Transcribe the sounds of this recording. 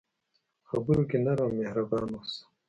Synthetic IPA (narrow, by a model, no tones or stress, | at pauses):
xɐbuɾukinɐɾaːmehɾɐbaːnos